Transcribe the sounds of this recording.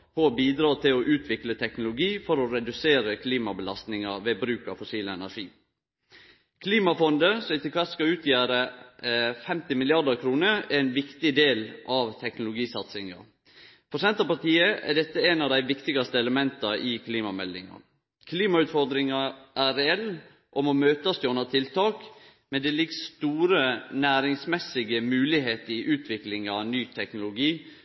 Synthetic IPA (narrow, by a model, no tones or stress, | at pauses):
hɔbiːd̪ɾɑːt̪ʰɪlɔʔʉːt̪ʰʋɪklət̪ʰɛknʊlʊɡiːfɔɾɔɾɛd̪ʉseːɾəkʰliːmɑbəlɑst̪nɪŋɑʋeːbɾʉːkɑ̰fʊsiːləɛnæʂiː | kʰliːmɑfɔnd̪əsɔɪt̪ɪkʰɑskɑʉːt̪ʰjæːɾə | fɛmt̪ɪmɪlɪɑdəɾkʰɾuːnəɾɛnʋɪkt̪ɪd̪eːlʔɑʋt̪ʰɛknʊlʊɡiːsɑt̪sɪŋɑ̰ | pʰʊsɛnt̪ɑpɑt̪iːəʔæ̰ɖɛt̪ːəænɑʋd̪æɪʋɪkt̪ɪɡɑst̪əɛləmɛnt̪ɑʔɪkʰliːmɑmɛlːɪ̰ŋɑ̰ | kʰliːmɑʉːt̪fɔɾd̪ɾɪŋɑʔæɾɛɛlː | ʔɔmɔmøːt̪ɑsd̪ɔnɑt̪ʰɪlt̪ʰɑːk | mɛnd̪ɛlɪɡst̪uːɾənæːɾɪŋsmɛsɪɡəmʉːlɪɦeːt̪əɾɪʔʉːt̪ʰʋɪklɪŋɑʋnyːt̪ʰɛknʊlʊɡiː